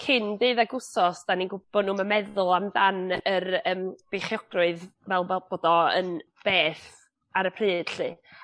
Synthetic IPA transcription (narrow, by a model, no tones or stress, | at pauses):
kʰɪndɨːðaɡʊsɔsd̥aninɡʊb̥ɔdnuːməmɛðʊlˠamdanərəːmb̥ejχjɔɡ̥rʊɨðvɛlˠvɛb̥oːdɔə̰nb̥eːθ | aɾəpʰrɨːd̥ɬɨː